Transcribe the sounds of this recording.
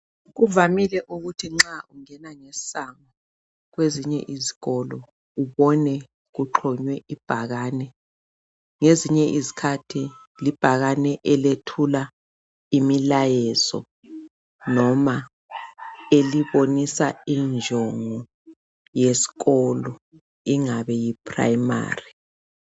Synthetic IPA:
ɣuvamilɛʔuɣutʰiŋ͡ǁaʔuŋɛnaŋessaŋa | ɣweziɲɛ̰ʔiziɣɔlɔ | uβɔnɛ | ɣuǃʰɔɲwɛʔib̥ʱaɣaːnɛ | ŋeziɲɛʔizikʰatʰi | lib̥ʱaɣanɛʔɛletʰula | imilajɛzɔ̰ | nɔma | eliβonisaind͡ʒʱɔŋɔ | jesi̥ɣɔlɔ | iŋaβɛjipʰra̰jma̰ːri

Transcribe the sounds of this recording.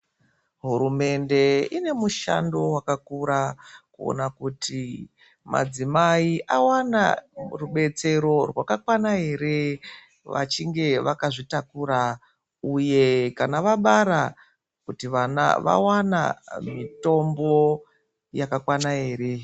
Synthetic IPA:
ɦuɾume̞nde̞ine̞muʃa̰ndo̞wakakuɾakuo̰nakutʰi | ma̰d͡zimaiʔawana̰ruɓe̞t͡se̞ɾo̞rwakakwanaɦe̞ɾe̞ | ʋa̰t͡ʃiŋɡe̞ʋakaʐitakuɾa | uje̞kanaʋaɓaɾa | kutiʋana̰ʋa̰wana̰mito̞mbo̞ | jakakwanaɦe̞ːɾe̞

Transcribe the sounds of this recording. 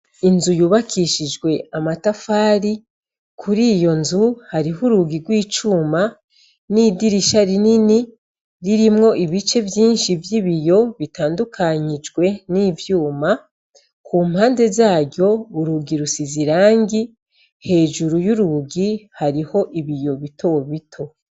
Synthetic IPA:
inzujuːβakʰiʃid͡ʒɡwe̞amatafaːɾi | kʰuɾiːjo̞nzuhaɾiɦuɾuɡiɡwiːt͡ʃuma | nidiɾiʃaɾinini | ɾiɾimŋo̞ʔiβit͡ʃe̞vjiːnʃivjiβijo̞βitaːndukʰaɲid͡ʒɡwe̞niːvjuːma | kʰuːm̥haːnde̞zaːɟo̞βuɾuɡiɾusiziɾaːŋɡi | he̞ːʒuɾujuɾuɡihaɾiho̞ʔiβijo̞βitʰo̞βitʰo̞

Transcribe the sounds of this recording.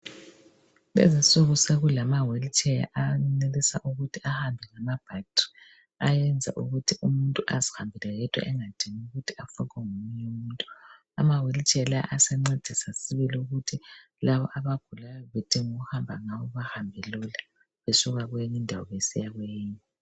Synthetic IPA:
lɛ̰zasoɣuseɣulamawelit͡ʃʼɛja̰ʔanelisaʔuɣutʰiahambʱɛŋamab̥ʱak̚tʼi̥ | ajɛnd͡zʱa̰ʔuɣutʰiumuntʼuʔazi̥hambʱilɛɣɛtʰʼwa̰ʔɛŋad̥ʱiŋuɣutʰiafukɛŋumuuntʼu | a̰mawelit͡ʃʼɛlaʔasɛŋ͡ǀed̥ʱisasiβiliuɣutʰi | laβɔ̰ʔaβaɡ̥ʱulajɔβed̥ʱiŋuɣuhambʱaŋaβɔβahambʱɛlula | βesuɣaɣweɲindʱawɔ̰βesḭjaɣweːɲu

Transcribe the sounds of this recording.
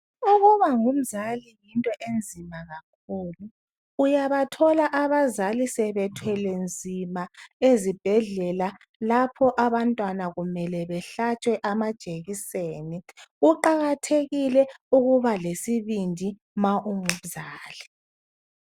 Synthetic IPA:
uɣuβaŋum̩zalijintʼɔʔend͡zʱimaɣakʰulu | ujaβatʰɔlaʔaβazalisɛβɛtʰwɛlend͡zʱimaezib̥ʱɛɮɛla | lapʰɔʔaβantʼwanaɣumɛlɛβɛɬat͡ʃʰʼwɛʔamad̥ʒ̥ʱeɣiseːniuǃaɣatʰeɣilɛuɣuβalesiβindʱi | maʔuŋum̩zaːli

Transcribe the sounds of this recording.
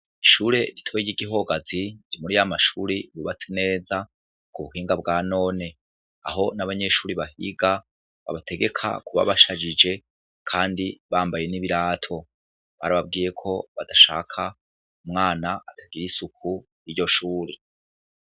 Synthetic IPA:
iʃuːɾe̞ɾitʰo̞jiɟiɡiɦo̞ɡaziɾimuɾijamaʃuːɾiβuβat͡se̞ne̞ːza | kuβuɦiːŋɡabɡaːno̞ːne̞ | a̰ɦo̞naβaɲe̞ʃuːɾiβahḭɡa | βa̰βatʰe̞ɡe̞kʰa̰kuβa̰βaʃad͡ʒid͡ʒe̞ | kʰaːndiβaːmbaje̞niβiɾaːtʰo̞ | βaɾaβab̚ɡiːje̞kʰo̞βadaʃa̰ːkʰa | umŋaːnaatʰaɡiɾisuk̚ʰu | jiɟo̞ʃuːɾe

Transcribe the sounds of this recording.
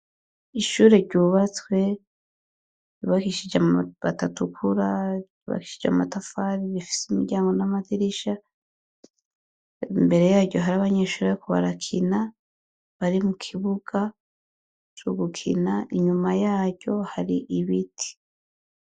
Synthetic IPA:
iʃuːɾe̞ɾɟuːβat͡swe̞ | juβakiʃid͡ʒaβa̰tatukʰuɾa | ṵβa̰kiʃid͡ʒa̰matafaɾiβifi̥simiɾɟaːŋɡo̞namatiɾiʃa | mbe̞ɾe̞jaːɾɟo̞ɦaɾaβaɲe̞ːʃuːɾekuβa̰ɾakʰina | βaɾimukʰiβuɡ̥a | t͡ʃuɡukʰḭnaiɲumajaːɾɟo̞haɾiʔiβitʰi̥

